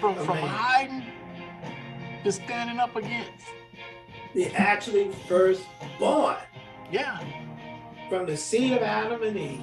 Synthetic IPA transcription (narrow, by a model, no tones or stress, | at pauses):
fɹʌ̃məɹaɪdⁿn̩ | dɨstæ̃ndɪ̃ŋʌpɨɡɛ̃ns | ðiʔæk̚t͡ʃʉl̩ˠifɜ˞sb̥ɔ | jæ | fɹʌ̃mðɨsiɾʌvæɾə̃mɨ̃ni